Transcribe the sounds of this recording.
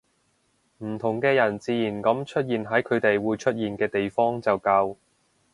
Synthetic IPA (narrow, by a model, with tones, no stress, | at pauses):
m̩˨˩t̪ʰʊ˨˩ŋkɛː˧jɐ˨˩nt͡siː˧jiː˨˩nkɐ˨˥mt͡ʃʰɵ˥t̚jiː˨nɦɐ˨˥jkʰɵ˨˧ɥt̪e˨jwuː˨˧jt͡ʃʰɵ˥t̚jiː˨nkɛː˧t̪e˨jfɔː˥ŋt͡sɐ˨wkɐ˧w